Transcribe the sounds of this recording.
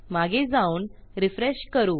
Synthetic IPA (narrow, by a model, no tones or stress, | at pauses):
maɡed͡zauːnɾifɾeɕkəɾuː